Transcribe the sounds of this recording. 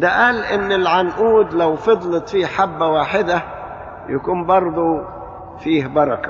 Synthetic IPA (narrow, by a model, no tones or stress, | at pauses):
d̪aʔaːlʔɪnːɪlʕanʔuːd̪lawfɑd̪ˤlɑt̪ˤfiːħabːawaːħɪd̪a | jakuːmbɑɾˤd̪ˤu | fiːhbɑɾˤɑka